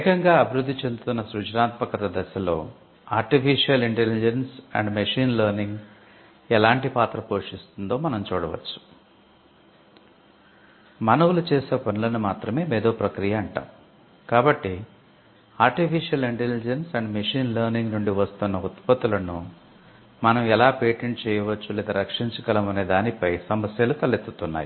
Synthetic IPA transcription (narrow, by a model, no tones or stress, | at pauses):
ɛkɐŋɡaːɐbiɾud̪ːit͡ʃe̞nd̪ut̪unːɐsɾud͡ʒnaːt̪̚mɐkɐt̪ɐd̪ɐsɐlo̞ː | aːɾʈipʰiʂijɐliɳʈelid͡ʒensɐ̰ɳɖmeʂiːnlɐːɾniŋɡ | ɛlaːɳʈipaːt̪ɾɐpo̞ːʂist̪und̪o̞ːmɐnɐmt͡ʃuːɽɐʋɐ̰t͡ʃːu̥ | mɐnɐʋulut͡ʃeːseːpɐnulɐnumaːt̪ɾɐme̞ːmeːd̪oːpɾɐkɾijɐːɳʈa̰ːm | kaːbɐʈːi | aːɾʈipʰiʂijɐliɳʈelid͡ʒensɐɳɖmeʂiːnlɐːɾniŋɡnuɳɖiʋɐst̪unːɐut̪pɐt̪ulɐnu | mɐnɐmɛlaːpeːʈeɳʈ̚t͡ʃɛːjɐʋɐt͡ʃːulɛːd̪ɐɾɐkʂiɲt͡ʃɐkɐlɐmɐneːd̪aːnipɐjsɐmɐsjɐlut̪ɐlit̪ːut̪unːa̰ːji